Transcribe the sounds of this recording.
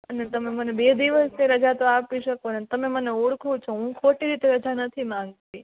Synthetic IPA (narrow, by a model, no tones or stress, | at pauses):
ənet̪ɐmẽmənebed̪iʋəsnẽɾəd͡ʒat̪oapiʃəkonet̪əmẽməneuɽkʰũt͡ʃʰõɦũkʰoʈiɾit̪eɾəd͡ʒanət̪ʰimãŋɡt̪ĩ